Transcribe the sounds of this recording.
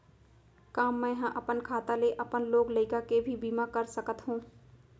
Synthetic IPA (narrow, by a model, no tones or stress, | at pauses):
kaːmːɛ̃ɦãʔɐpənkʰaːt̪aleʔɐpənloːɡlɐɪkakebʱibiːmakɐɾsəkət̪ɦũː